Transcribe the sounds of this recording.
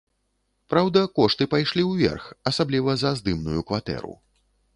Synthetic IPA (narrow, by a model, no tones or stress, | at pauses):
pɾawd̪ɐkɔʂt̪ɨpajʂlʲiwvʲɛ̰rxɐsablʲivɐzɐzd̪ɨmnujukvat̪ɛ̰ɾṵ